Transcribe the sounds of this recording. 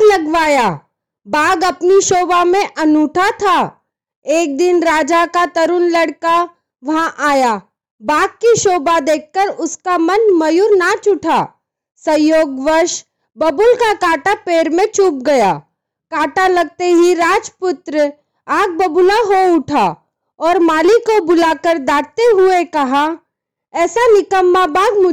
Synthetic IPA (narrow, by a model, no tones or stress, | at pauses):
lɐɡʋaːja | baːɡɐpniʃoːbamẽʔɐnuːʈʰat̪ʰaː | eːk̚d̪ɪnɾaːd͡ʒakat̪ɐɾʊnlɐɽka | ʋɐɦãʔaːja | baːɡ̚kiʃoːbad̪eːkːəɾʊskamɐnmɐjuɾnat͡ʃʊʈʰaː | sɐ̃joːɡʋəɾʃ | bɐbʊlkakaːʈapeːɾmẽt͡ʃuːp̚ɡɐjaː | kaːʈalɐɡ̚t̪eɦiɾaːd͡ʒpʊt̪ɾə | aːɡ̚bɐbʊlaɦoʊʈʰa | ɔːɾmaːlikobʊlaːkəɾd̪aːɽ̚t̪eɦʊekɐɦã | ɛːsanɪkəmːabaːɡ̚mʊ